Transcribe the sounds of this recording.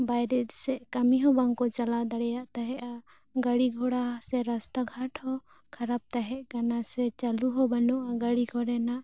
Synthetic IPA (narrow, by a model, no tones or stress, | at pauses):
bajɾɛd̪sɛʔkamiɦɔbaŋkɔt͡ʃalad̪aɽɛjaʔt̪aɦɛʔa | ɡaɽiɡʱɔɽasɛɾast̪aɡʱaʈʰhɔ | kʰaɾab̚t̪aɦɛʔkanasɛt͡ʃaluɦɔbanɔʔaɡaɽiɡʱɔɾɛnaʔ